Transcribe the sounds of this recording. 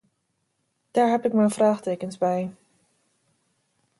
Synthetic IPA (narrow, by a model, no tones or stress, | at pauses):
d̥aːɹɦɛpɪkmɛjnvraːχtejkənzbɛj